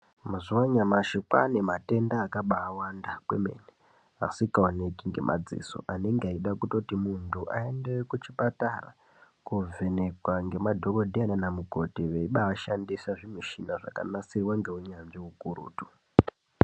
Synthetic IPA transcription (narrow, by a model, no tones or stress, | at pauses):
mazuwaɲamaʃikwa̰nemate̞ndaːkaɓaːwandakweme̞̰ne | asikaone̞kiŋɡe̞̰mʔa̰d͡zḭːso̰ʔane̞ŋɡeaiɗakuto̞timuntʰuʔae̞ndekut͡ʃipatara̰ | kuve̞ne̞kwaŋɡe̞madʱo̞ko̞dʱiananamuko̞tiʋeiɓaːʃandisaʐimiʃinaʐa̰ka̰nasirwaŋɡe̞ɦuɲanʐiɦukuɾṵːtu